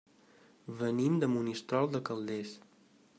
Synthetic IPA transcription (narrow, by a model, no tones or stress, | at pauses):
βənimd̪əmunist̪ɾɔlˠd̪əkəlˠd̪es